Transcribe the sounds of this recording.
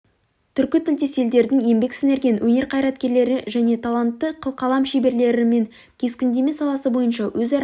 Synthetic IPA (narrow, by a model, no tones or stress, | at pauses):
t̪ʰʏɾkʲɪt̪ʰɪlt̪e̞se̞ld̪e̞ɾd̪ɪŋje̞mbe̞ksɪne̞ɾɡʲijnwʔɵne̞ɾqʰɑjɾɑt̪̚kʲe̞ɾle̞ɾɪʒæne̞t̪ʰalˠant̪ːəqʰəlˠqɑlˠɑmʃebe̞ɾle̞ɾɪme̞ŋ | kʲʰe̞skʲɪnd̪e̞me̞sɑlˠɑsəbo̞jənʃɑwɵzɑɾ